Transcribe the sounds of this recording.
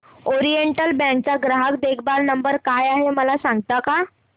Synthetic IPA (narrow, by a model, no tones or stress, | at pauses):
oɾijeɳʈəlbɛ̃ŋk̚t͡ɕaɡɾaɦək̚d̪ekʰbalnəmbəɾkajaɦeməlasãŋɡt̪aka